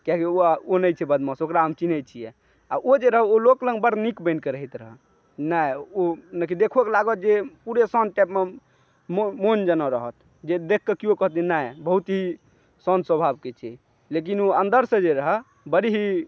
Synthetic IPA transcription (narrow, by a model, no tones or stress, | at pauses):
kaɦkioonəjt͡ʃʰɛbəd̪mɔ̃sokɾaəmt͡ʃinɛt͡ʃʰijɛ | aʔod͡ʒeɾəɦɛoloklə̃ŋɡbəɾnikbə̃ɪnkeɾəɦit̪ɾəɦə | najonəkʰid̪ekʰueklaɡət̪̚d͡ʒepuɾesɔ̃nʈapme | mmond͡ʒənɔɾəɦət̪ | d͡ʒed̪ekʰːekiokəɦt̪̬inajbəɦut̪ɦi | sɔnswəbʱabket͡ʃʰɛ | lek̬inoənd̪əɾsẽd͡ʒeɾəɦə | bəɾiɦi